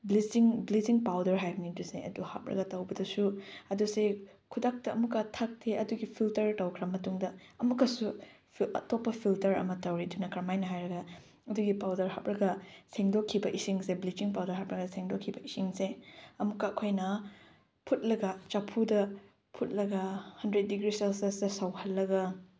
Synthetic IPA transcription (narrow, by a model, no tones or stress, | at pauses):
blisiŋbliziŋpawdɐɾɦajbɐniduseɐ̰duha̰p̚ɾɐ̰ɡɐtɐwbɐdɐsuɐduse | kʰudak̚tɐɐmukɐtʰak̚tʰeʔɐduɡipʰiltɐɾtɐwkʰɾɐmɐtuŋdɐɐmukːɐsu | pɐ̰topːɐpʰiltɐɾɐ̰mɐtɐwɾidunɐkɾɐmajnɐɦajɾɐɡɐ | ɐduɡipawdɐɾɦap̚ɾɐɡɐseŋdokʰːibɐʔisiŋseblit͡ʃiŋpawdɐɾɦap̚ɾɐɡɐseŋdokʰːibɐʔisiŋseɐmukɐɐkʰojnɐ | pʰut̚lɐɡɐt͡ʃapʰudɐ | pʰut̚lɐɡɐhɐndɾet̚diɡɾiselsesdɐsɐwhɐlːɐɡɐ